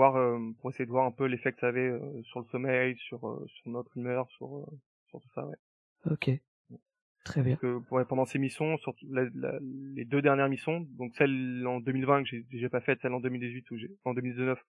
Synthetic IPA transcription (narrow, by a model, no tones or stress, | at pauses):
vwaʁømpuʁesejed̪əvwaʁɛ̃pølefɛkəsaːvɛøsyʁləsɔmɛjsyʁø̰syʁnɔt̪χymœʁsy̰ʁø̰ | syʁt̪u̥sa̰wɛ̰ | ɔkʰʲe | ɛ | t̪χɛbjɛ̃kəwɛpɑ̃d̪ɑ̃semisjɔ̃syʁt̪ulala̰led̪ød̪ɛʁnjɛʁmisjɔ̃d̪ɔ̃ksɛlɑ̃d̪ømilvɛ̃kʒed̪eʒapafɛt̪sɛlɑ̃d̪ømild̪izɥit̪uʒeɑ̃d̪ømild̪iznœf